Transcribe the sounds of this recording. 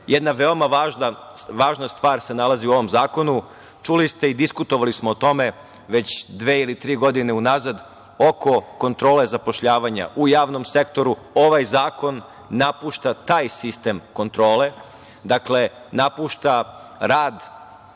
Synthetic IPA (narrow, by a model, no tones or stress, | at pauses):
jed̪naʋe̞omaʋaːʒnaʋaːʒnast̪ʋaːɾse̞nalaziuo̞ʋo̞mzaːko̞nu | t͡ʃulist̪e̞id̪iskut̪o̞ʋalismoːt̪o̞me̞ | ʋe̞t͡ɕd̪ʋeːilit̪ɾiːɡo̞d̪ine̞unazad̪ | o̞ko̞ko̞nt̪ɾo̞ːle̞zapo̞ʃʎaːʋaɲa̰ʔujaːʋno̞mse̞kt̪o̞ɾu | o̞ʋajzaːko̞nː | apuːʃt̪at̪aːjsist̪e̞mko̞nt̪ɾo̞ːle̞ | d̪akle̞ | napuːʃt̪aɾaːd̪